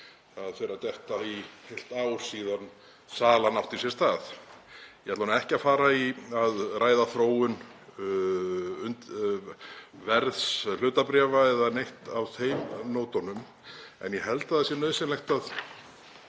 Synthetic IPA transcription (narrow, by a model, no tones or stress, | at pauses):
aðfeːɾat̪ɛht̪aihejl̥t̪aːwsiːðan | saːlanawht̪isjɛst̪aːð | jɛɛat̪vanaɛhcɪafaːɾaiaðraːjðaθɾoːwʏn | ʏnt̪ | vɛɾðslʏːt̪apɾɛːvaɛðanejht̪awθejmnoːwt̪ɔnʏm | ɛ̰njɛhɛlt̪aðasjɛnœːðsɪnlɛxt̪að